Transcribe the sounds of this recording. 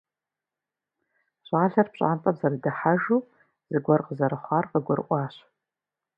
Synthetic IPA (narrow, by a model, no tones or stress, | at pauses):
ɕʷʼaːɬɐrpɕʼa̰ːntʼɐmzɐrdɨħaʒuː | z̥ɨɡʷɔrqəzɐɾɨχʷɑːrqəɡʷɔɾɨʔʷʼɑːɕ